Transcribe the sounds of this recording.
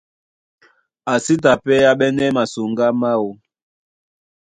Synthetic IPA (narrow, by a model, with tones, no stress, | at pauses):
a˨si˦t̬a˨pɛ˦a˦ɓɛ˦nɛ˦ma˨su˨ŋɡa˦ma˦o˨